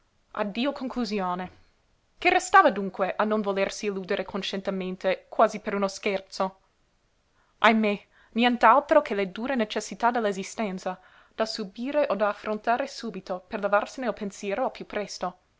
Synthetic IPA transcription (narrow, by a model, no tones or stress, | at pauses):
ʔa̰d̪ːiːokʰoŋkluzjoːne | kerest̪aːvad̪uŋkweʔanonvolersiːluːd̪eɾʔekʰonʃent̪ement̪ekwaːzipeɾunoskɛrt̪so | ʔajme | njɛnt̪alt̪ɾokʰeled̪uːɾenet͡ʃesːit̪ad̪elːaezist̪ɛnt̪sa | d̪̥asubiːɾeʔod̪aːfːɾont̪aːɾesuːbit̪operlevarseneolpensjɛːɾoapjupːɾɛst̪o